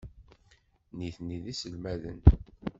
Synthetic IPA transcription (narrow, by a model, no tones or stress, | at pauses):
niθniðisəlmæðə̰n